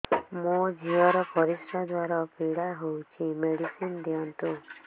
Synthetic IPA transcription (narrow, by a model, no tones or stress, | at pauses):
mud͡ʒʱiɔɾɔpɔɾisɔd̪waɾɔpiɽaɦowt͡ʃʰimeɽisind̪iɔnt̪u